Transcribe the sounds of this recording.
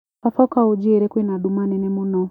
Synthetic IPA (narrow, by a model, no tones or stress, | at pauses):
afɔkaud͡ʒiɾɛkwinaɗumanɛnɛmunɔ